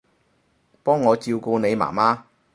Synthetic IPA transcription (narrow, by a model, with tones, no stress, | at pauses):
pɔː˥ŋːɔː˨˧t͡siː˧wko˧ne˨˧jma̰ː˨˩maː˥